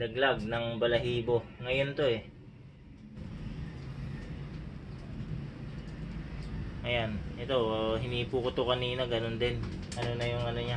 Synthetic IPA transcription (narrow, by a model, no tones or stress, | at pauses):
lɐɡlaɡ̚nɐŋbɐlɐɦiːbo̞ŋɐjo̞nt̪o̞ɛ | ŋɐjanʔɛt̪o̞ɦɪniːpuːkʊt̪okɐniːnɐɡɐno̞nd̪ɪnʔɐno̞nɐjʊŋɐnoɲa